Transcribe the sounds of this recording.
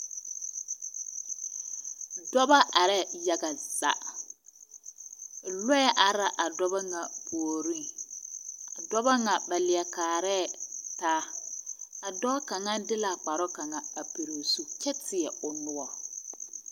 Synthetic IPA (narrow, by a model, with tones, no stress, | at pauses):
dɔ˦ba˦ʔa˨ɾɛ˦ja˦ɡa˨z̥a̰˦ʔ | lɔ˦ɛ˦ʔa˨ɾa˦ʔa˨dɔ˦ba˦ŋa˨boː˨ɾi˦ŋ | a˨dɔ˦ba˦ŋa˨ba˨lɪ˨ɛ˨kaː˨ɾɛː˦˨taː˦ | a˨dɔ˦ka˨ŋa˦dɪ˦la˨k͡pa˨ɾɔ˦ka˨ŋa˨a˨pi˨ɾo˨su˨kɛ˦tɪ˨ɛ˨ʊ˨nʊ˨ɔ˨